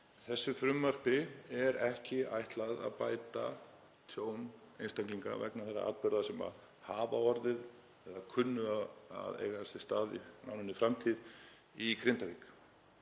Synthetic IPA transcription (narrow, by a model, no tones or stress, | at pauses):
θɛsːʏfɾʏmːar̥pɪɛɾɛhcɪa̰jht̪laða̰ðpaːjt̪a | t̪ʰjoːwn | ejnst̪aŋkliŋka̰vɛ̰knaθɛrːa̰ʔa̰ːt̪pʏɾðasɛma̰ð | haːvaɔɾðɪð | ɛðakʰʏnːʏaa̰ðḛjɣaɛsɪst̪aːðḭna̰wnʏnɪfɾamt̪ʰið | ikɾɪnt̪avik